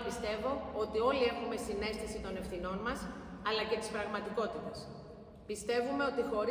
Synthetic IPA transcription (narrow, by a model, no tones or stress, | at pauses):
pist̪e̞vo̞o̞t̪io̞lie̞xume̞sine̞st̪esit̪o̞ne̞fθino̞nmɐs | ɐlɐce̞t̪i̥spɾɐɣmɐt̪iko̞t̪it̪ɐs | pist̪e̞vume̞o̞t̪ixo̞ɾ